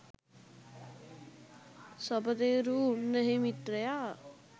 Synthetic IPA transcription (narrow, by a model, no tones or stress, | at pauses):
sɔbəd̪eːɾuːnəɦemiʈɾejaː